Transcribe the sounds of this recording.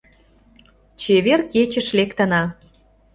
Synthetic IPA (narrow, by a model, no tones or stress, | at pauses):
t͡ɕeβerket͡ɕə̆ʃlekt̪ə̆nɑ